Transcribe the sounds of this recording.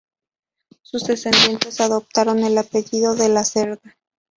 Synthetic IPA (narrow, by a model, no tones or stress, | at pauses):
suzðe̞se̞nd̪je̞nt̪e̞saðo̞p̚t̪aɾo̞ne̞lape̞ʝiðo̞ðe̞lase̞ɾða